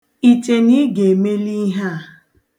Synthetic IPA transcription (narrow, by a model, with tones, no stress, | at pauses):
i˨t͡ʃe˨ni˦ɡe˨me˦li˦ɦa˦a˨